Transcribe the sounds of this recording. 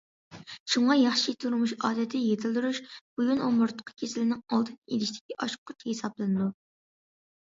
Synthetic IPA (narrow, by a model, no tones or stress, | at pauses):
ʃuɴɑjɑχʃit̪ʰuɾmuʃɑːd̪ɛt̪ʰɪjet̪ʰɪlˠd̪uɾuʃb̥ujunomʊɾt̪ʰə̥qʰːə̥kʲʰesɪlɪnɪŋɑlˠd̪ʰɨnḛlɪʃd̪ɪ̥kʲiʔɑʃqʰːʊt͡ʃhesɑblˠɨnɨd̪u